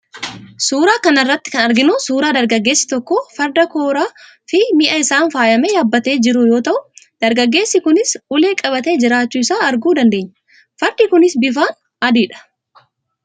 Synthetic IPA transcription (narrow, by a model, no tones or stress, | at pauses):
suːɾaːkɐnɐrːɐt̪ːɪ̥kɐnɐɾɡɪnusuːɾaːd̪ɐɾɡɐɡːe̞ːsːɪ̥t̪ɔkːofɐɾd̪ɐko̞ːɾaː | fɪmɪʔɐɪsaːnfaːjɐmeːjaːbːɐt̪e̞ːd͡ʒɪɾʊjo̞ːt̪ɐʔʊd̪̥ɐɾɡɐɡːe̞ːsːɪkʊnɪsʊle̞ːkʼɐbɐt̪e̞ːd͡ʒɪɾaːt͡ʃːuːɪsaːɐɾɡuːd̪ɐnd̪e̞ːɲːɐ̥ | fɐɾd̪ikʊnɪsbɪfaːn | ɐd̪iːᶑɐ̥